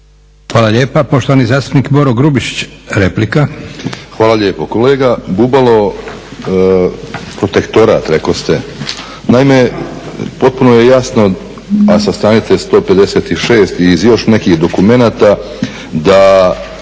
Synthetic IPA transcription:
xʋaːlˠaʎeːpapo̞ʃt̪oʋanizaːst̪u̥pnikbo̞ɾoɡɾubiʃi̥t͡ɕɾe̞plikaxʋaːlˠaʎeːpoko̞le̞ːɡabubalˠo̞ | pɾo̞t̪e̞kt̪o̞ɾa̰ːt̪ɾekost̪e | naime | po̞t̪̚punojejasno | asast̪ɾaːnit̪sest̪o̞ːpe̞d̪e̞set̪iʃe̞ːst̪iːzjo̞ʃne̞kiːxd̪o̞kume̞naːt̪a | d̪a

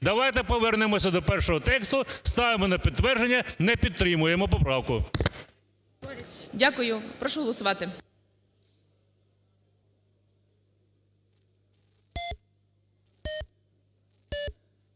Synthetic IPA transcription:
d̪ɐʋɑjt̪ɛpɔʋɛrnɪmɔsʲɐd̪ɔpɛrʃɔɦɔt̪ɛkst̪ʊst̪ɑʋemɔnɐpʲid̪t̪ːʋɛrd͡ʒenʲːɐnɛpʲid̪t̪ːɾɪmʊjemɔp̬ɔpɾɑwkʊ | dʲakʊjʊpɾɔʃɔɦɔlˠɔsʊʋɑt̪ɪ

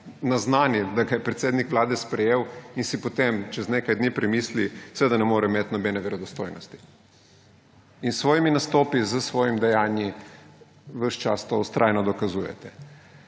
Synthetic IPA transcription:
naznaːnid̪aɡajɛpɾɛt̪seːd̪nikʋlaːd̪ɛspɾɛjeːwinsipot̪emt͡ʃɛzneːkajd̪niːpɾɛmiːslisɛʋeːd̪anɛmoːɾɛmet̪nɔbɛnɛʋɛɾɔd̪ɔst̪oːjnɔst̪i̥ | insʋɔːjiminast̪oːpizəsʋɔːjimd̪ɛjaːnji | ʋəʃt͡ʃa̰st̪ost̪ɾʔaːjnɔd̪ɔkazuːjɛ̰t̪ɛ

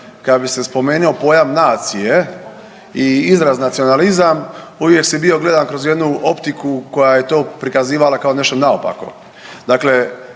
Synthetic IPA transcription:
kad̪bise̞spo̞me̞ːnio̞po̞ːjamnaːt̪sije̞ | iizɾaznat̪sio̞nalizamuʋje̞ksibio̞ɡle̞d̪ankɾozje̞d̪nuo̞pt̪ikuko̞jaje̞t̪o̞ːpɾikaziːʋalakao̞ne̞ʃt̪onaopa̰ko̞̰ | d̪aːkle̞

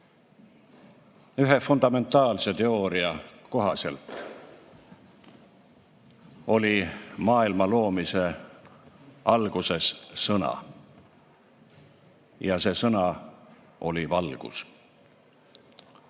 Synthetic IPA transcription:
yɦefund̪̥ɑme̞nt̪ːˑɑːlse̞t̪e̞o̞ːɾiɑko̞ɦɑse̞̰lt̪ˑ | o̞lʲimɑːilmɑlo̞ːmise̞ | ɑlɡ̥use̞sːɤnɑ̰ | jɑse̞ːsɤnɑ | o̞lʲivɑlɡ̥ṵs

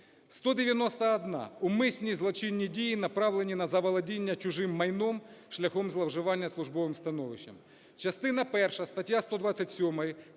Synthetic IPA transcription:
st̪ɔd̪eʋʲjɐnɔst̪ɐɐd̪nɑ̰umɪsʲnʲizlˠɔt͡ʃɪnʲːidʲijinɐpɾɑʋlˠenʲinɐzɐʋɐlˠɐdʲinʲːɐt͡ʃʊʒɪmːɐjnɔmʃlʲɐxɔmzlˠɐwʒɪʋɑnʲːɐslˠʊʒbɔʋɪmst̪ɐnɔʋɪʃːɐ̰m | t͡ʃɐst̪ɪnɐpɛrʃɐst̪ɐtʲjast̪ɔd̪ʋɑt͡sʲːɐtʲsʲɔmɐjɐ

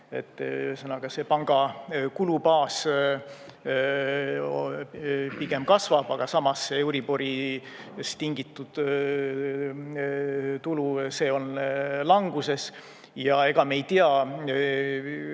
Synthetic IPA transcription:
e̞̰t̪ːˑsɤnɑɡ̥ɑse̞pɑŋɡ̥ɑkulupɑːs | piɡe̞mkɑsvɑb̥ɑɡ̥ɑsɑmɑseuɾibo̞ɾi | st̪iŋɡ̥it̪ːˑud̪̥ | t̪uluse̞ːo̞nlɑŋɡ̥use̞s | jɑe̞ɡ̥ɑmejt̪iɑ

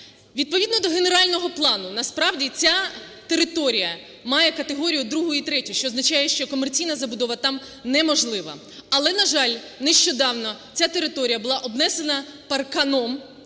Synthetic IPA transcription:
ʋʲid̪̚pɔid̪nɔd̪ɔɦe̞ne̞ɾɑlʲnɔɦɔplˠɑnʊnɐspɾɑwdʲit͡sʲa | t̪eɾɪt̪ɔɾʲijɐ | mɑjɛkɐt̪eɦɔɾʲijʊd̪ɾuɦʊit̪ɾɛtʲʊʃt͡ʃɔːznɐt͡ʃajɛʃt͡ʃɔkɔmert͡sʲijnɐzɐbʊd̪ɔʋɐt̪ɑm | nɛmɔʒlˠɪʋɐ̰ | ɐlˠɛnɐʒɑlʲ | neʃt͡ʃɔd̪ɑwnɔ | t͡sʲat̪eɾɪt̪ɔɾʲijɐbʊlˠɑʔɔbnɛse̞nɐpɐrkɐnɔm

